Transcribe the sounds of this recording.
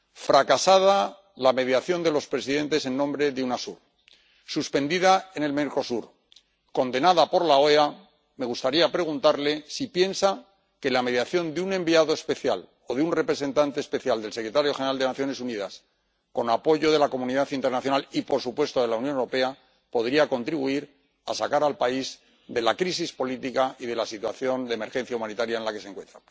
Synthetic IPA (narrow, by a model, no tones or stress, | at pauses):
fɾakasað̞a | lame̞ðjaθjo̞nd̪e̞lo̞spɾe̞siðẽ̞nt̪e̞se̞nːõ̞mbɾe̞ðeunasuɾ | suspe̞nd̪iðae̞ne̞lmeɾko̞suɾ | ko̞nd̪e̞naðapo̞ɾlao̞ea | me̞ɣ̞ust̪aɾiapɾe̞ɣ̞unt̪aɾle̞sipje̞nsa | ke̞lame̞ðjaθjo̞nd̪eunẽ̞mbiaðo̞e̞spe̞θja̰l | o̞ðeunre̞pɾe̞sẽ̞nt̪ant̪espe̞θjald̪e̞lsekɾet̪aɾjo̞xeneald̪e̞naθjo̞ne̞suniðas | ko̞napo̞ʝo̞ðe̞lako̞mũniðaθint̪e̞ɾnaθjo̞nalipo̞ɾsupwe̞st̪oðe̞launjonewɾo̞pe̞a | po̞ð̞ɾiako̞nt̪ɾiβuiɾ | a̰sakaɾalpaiz | ðe̞lakɾis̬ispo̞lit̪ikaiðe̞lasit̪wa̰θjo̞nd̪eme̞ɾxe̞n̟θjaumanit̪aɾjaenlake̞seŋkwe̞nt̪ɾa